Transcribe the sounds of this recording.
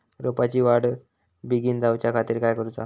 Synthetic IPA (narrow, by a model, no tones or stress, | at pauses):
ɾopat͡ɕiːʋaɽ | biɡiːnd͡zawt͡ɕjakʰat̪iːɾkajkəɾut͡sa̰